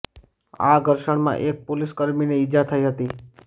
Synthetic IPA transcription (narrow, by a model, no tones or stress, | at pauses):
a̰ɡʱəɾʃəɳ̃mã̰ʔek̚poliskəɾmineɪd͡ʒat̪ʰəiɦət̪i